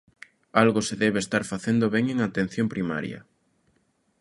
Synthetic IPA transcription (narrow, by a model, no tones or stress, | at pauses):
alɣoseðɛβest̪aɾfaθend̪oβɛŋeŋat̪ẽn̟θjompɾima̰ɾjɐ̰